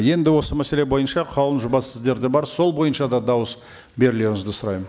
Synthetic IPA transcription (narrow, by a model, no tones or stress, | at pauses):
je̞nd̪ɪwo̞səmæse̞le̞bo̞jənʃɑqʰɑlˠənʒʊbɑsɪzd̪e̞ɾd̪ebɑɾso̞lˠbo̞jənʃɑd̪ɑd̪ɑwəs | be̞ɾɪle̞ɾɪŋɪzd̪ɪsʊɾɑjmən